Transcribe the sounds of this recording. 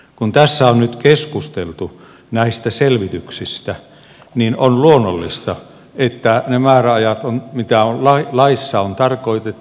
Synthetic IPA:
kunt̪æsːæonnyt̪keskust̪elt̪u | næist̪æselʋit̪yksist̪æ | ninonluonːolːist̪ɑ | et̪ːænemæːræɑjɑt̪onmit̪æollɑilɑisːɑont̪ɑrkoit̪et̪ː

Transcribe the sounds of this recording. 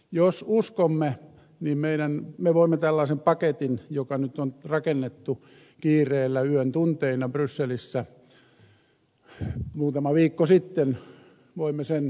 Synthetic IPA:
josuskomːe | niːmmeiɾænmeʋoimːet̪ælːɑisempɑket̪injokɑnyt̪onrɑkenːet̪ːu | kiːreːlːæyønt̪unt̪einɑbrysːelisːæ | muːt̪ɑmɑʋiːkːosit̪ːen | ʋoimːesen

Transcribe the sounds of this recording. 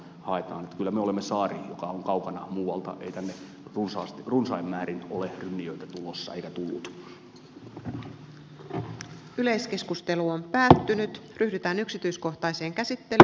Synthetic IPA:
hɑet̪ɑːnet̪kylːæmeolemːesɑːrijokɑoŋkɑukɑnɑmuːwɑlt̪ɑ̰ʔeit̪ænːe | runsɑːst̪runsɑimːæːɾinolerynːiøit̪æt̪ulosːɑ̰eikæt̪ulːṵt̪ | yle̞jske̞skust̪e̞luompæːt̪ːynyt̪ryhdyt̪æːnyksit̪yjsko̞ht̪ɑjse̞ːŋk̟æsit̪ːe̞l

